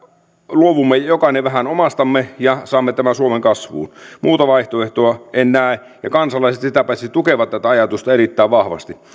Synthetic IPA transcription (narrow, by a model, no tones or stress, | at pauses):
luoʋumːejokɑineʋæhænomɑst̪ɑmːejɑsɑːmːet̪æmæsuomeŋkɑsʋṵːnmuːt̪ɑʋɑiht̪oeht̪oɑʔenːæː | jɑkɑnsɑlɑiset̪sit̪æpæsit̪ukeʋɑt̪t̪æt̪æɑjɑt̪ust̪ɑerit̪ːæːʋʋɑhʋɑ̰st̪i